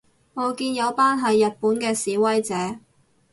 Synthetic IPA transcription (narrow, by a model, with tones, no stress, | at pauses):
ŋɔː˨˧kiː˧njɐ˨˧wpaː˥nɦɐ˨jːɐ˨t̚puː˨˥nkɛː˧siː˨˥wɐ˥jt͡sɛː˨˥